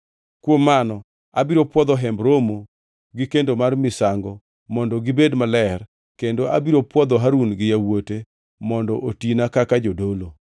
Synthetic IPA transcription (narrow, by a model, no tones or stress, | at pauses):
kwomːanɔ | abiɾopwɔd̪ɔɦɛmbɾomo | ɡɪkendomarmɪsaŋɡɔ | mɔndɔɡɪbedmalɛr | kendoʔabiɾopwɔd̪ɔɦaɾunɡɪjawote | mɔndɔʔotinakakad͡ʒodolo